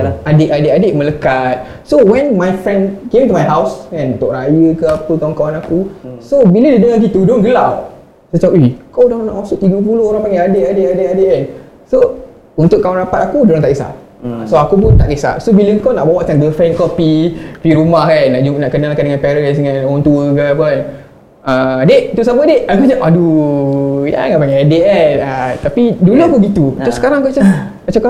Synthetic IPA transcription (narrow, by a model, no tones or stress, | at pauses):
aadeʔadeʔadeʔmə̃ləkat̪̚ | sowɛ̃nmajfɾɛ̃nkemt̪umajɦawskanunt̪ʊʔɾajəkəapəkawãŋkawanakusobilədidəŋaɡit̪udʊŋɡəlaw | sət͡ʃaʔujkawdanaʔmasʊk̚t̪iɡəp̬ulooɾãŋpaŋaadeʔadeʔadeʔadeʔɛn | so | unt̪ʊʔkawãnrapat̪akudoɾaŋt̪aʔkesa̰ʔ | soakubut̪aʔkesa̰sobiliəŋkanaʔbawaʔsaŋdəfɛnkɔpipiɾumahkanːaʔd͡ʒuʔnaʔkənalkandəŋanpɛɾəsdəŋanont̪uəkaapən | ədeʔt̪usamədeʔakut͡ʃaʔadu | ja̰ŋaʔpaŋajadeɛat̪apiduluakuɡit̪ut̪usə̥kaɾaŋakut͡ʃa | kat͡ʃaka